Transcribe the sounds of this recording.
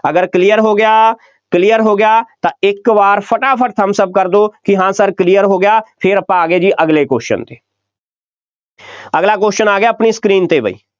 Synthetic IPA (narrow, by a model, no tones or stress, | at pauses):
əɡəɾklijəɾɦoːɡɪjaː | klijəɾɦoːɡɪjaːt̪ãːɪkʋaːɾpʰəʈaːpʰəʈ̚t̪ʰəmsəb̚kəɾd̪oːkɪɦãːsəɾkliːəɾɦoːɡɪjaːpʰɪɾəpãaːɡeːd͡ʒiːʔəɡleːkoːʃə̰nt̪eː | əɡlaːkoːʃənaːɡɪjaːəpniːskɾiːnt̪eːbʱə̰ḭː